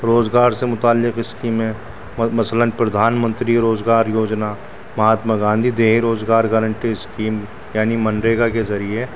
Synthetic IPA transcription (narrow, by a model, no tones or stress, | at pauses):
ɾoːzɡaːɾsemʊt̪aːlːɪqɪskiːmɦɛ̃ | mɐslənpɾɐd̪ʱaːnmə̃nt̪ɾiɾoːzɡaːɾjoːd͡ʒna | mɐɦaːt̪maɡãːnd̪ʱid̪eːɦiɾoːzɡaːɾɡəɾə̃ɳʈiɪskiːm | jaːnimɐnɾeːɡakezɐɾie